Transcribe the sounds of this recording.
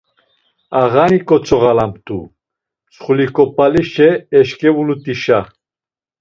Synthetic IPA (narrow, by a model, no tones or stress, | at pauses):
aɣanikʼɔt͡sʰɔʁalamt̪ʰʼṵ | t͡sχulikʼɔpʼaliʃɛːʃkʼɛvulut̪ʼiʃa